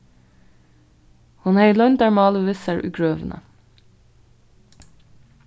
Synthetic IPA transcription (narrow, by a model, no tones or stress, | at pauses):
hʊnhæɪlœʏnd̪æːɹmɑːləʋɪsæɹʔʉ̰ːɡɹøːʋnə̰